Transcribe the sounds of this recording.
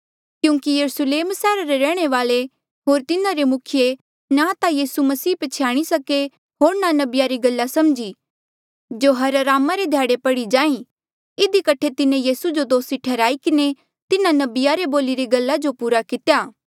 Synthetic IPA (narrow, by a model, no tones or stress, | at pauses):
kjũːŋkijɐɾusleːmsɛːɾaɾeɾɛːɽ̃eʋaːle | ɦoːɾt̪ɪnãɾemʊkʰɪje | nat̪ajiːsumɐsiːpət͡ʃʰɪjaːɽ̃isɐke | ɦoːɾnanɐbɪjaɾiɡɐlːasɐmd͡ʒi | d͡ʒoːɦɐɾɾaːmaɾed̪ʱjaːɽepɐɽid͡ʒaːĩ | ɪd̪ikɐʈʰet̪ɪnẽjiːsud͡ʒod̪oːsiʈʰɛːɾaːikɪne | t̪ɪnãnɐbɪjaɾeboːliɾiɡɐlːad͡ʒopuːɾakɪt̪jaː